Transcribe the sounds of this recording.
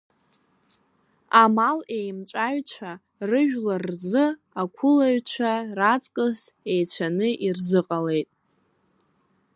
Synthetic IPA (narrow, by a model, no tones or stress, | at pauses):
amale̞jmt͡ʃʷʼaɥt͡ɕʷʰa | rɨʒᶣlarːzɨ | akʷʰʊlaɥt͡ɕʷʰarat͡sʼkʼɨsejt͡ɕʷʰanɨʔirzɨqʼale̞jtʼ